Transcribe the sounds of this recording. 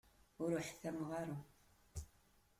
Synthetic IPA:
ʊɾʊħθæmʁɑɾu

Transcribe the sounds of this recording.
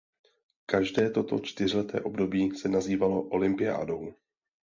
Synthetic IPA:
kaʒdɛːt̪o̞t̪o̞t͡ʃt̪ɪrɪlɛt̪ɛ̰ːʔo̞bdo̞biːsɛnaziːvalo̞ʔo̞lɪmpɪja̰ːdo̞w

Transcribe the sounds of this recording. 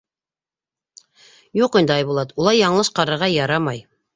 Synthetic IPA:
juqind̪əɑjβulˠɑt̪ulˠɑjɑɴlˠɤʃqɑɾɤ̆ɾʁɑjɑɾɑmɑj

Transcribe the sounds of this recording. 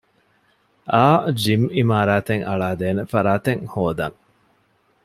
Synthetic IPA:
ʔaːd͡ʒimimaːɾaːt̪eŋɐ̰ɭaːd̪eːnefɐɾaːt̪eŋhoːd̪ɐŋ

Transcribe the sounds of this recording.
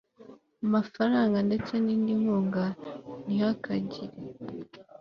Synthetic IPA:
amafaɾaːŋɡande̞t͡se̞niːndiŋuːŋɡanihakaɟiɾe

